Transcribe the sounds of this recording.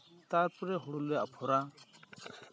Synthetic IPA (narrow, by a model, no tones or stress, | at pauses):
t̪aːɾpuɾeɦʊɽuleɐpʰoɾaː